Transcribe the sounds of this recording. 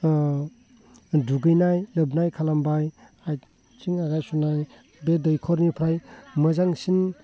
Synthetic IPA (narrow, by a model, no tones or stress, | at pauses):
duɡɯjnajlɯbnajkʰalambaj | aj | t͡ʃiŋaɡajsunaj | bedɔjkʰɔɾnipʰɾajmɯzaŋsin